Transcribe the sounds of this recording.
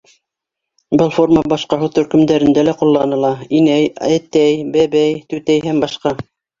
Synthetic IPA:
bɤlˠfo̞rmɑbɑʃqɑɦɤwt̪ɵ̆ɾkɵ̆md̪æɾɘ̆nd̪ælæqulˠːɑnɤ̆lˠɑinæjæt̪æjbæβæjt̪ʉt̪æjɦæmbɑʃqɑ

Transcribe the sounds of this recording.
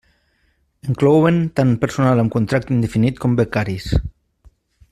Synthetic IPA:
eŋklowent̪anpeɾsunaləmkunt̪ɾak̚t̪ind̪efinit̪kombekaɾis

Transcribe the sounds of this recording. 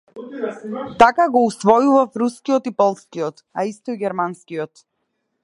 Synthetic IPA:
t̪akaɡɔusvɔjuvafɾuskijɔt̪ipɔlˠskiɔt̪aist̪ɔiɡʲɛɾmanskiɔt̪

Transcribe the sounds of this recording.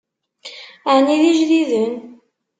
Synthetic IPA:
aniðiʒðiðən

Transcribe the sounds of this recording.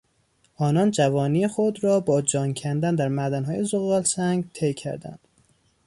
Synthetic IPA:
ʔɒːnɒːnd͡ʒævɒːniːexod̪ɾɒːbɒːd͡ʒɒːŋcʰænd̪ænd̪æɾmæd̪ænɦɒːjezoɣɒːlsæŋɡt̪ʰejcʲʰæ̰ɾd̪æ̰nd̪̥

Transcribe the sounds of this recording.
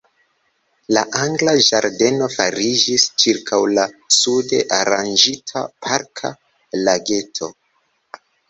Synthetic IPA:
laʔaŋɡlaʒaɾde̞no̞faɾid͡ʒist͡ʃiɾkʰawlasude̞ʔaɾand͡ʒitʰa̰pʰaɾkʰa̰ | laɡe̞tʰo̞

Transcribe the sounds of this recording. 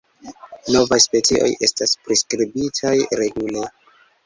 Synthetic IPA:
no̞vajspe̞t͡siʔo̞̰jʔe̞̰staspɾiskɾibitʰajɾe̞ɡule

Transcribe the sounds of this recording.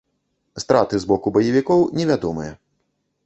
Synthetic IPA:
st̪ɾat̪ɨzbɔkubɐjɐvʲikɔwnʲɛvʲad̪ɔmɨ̰jɛ

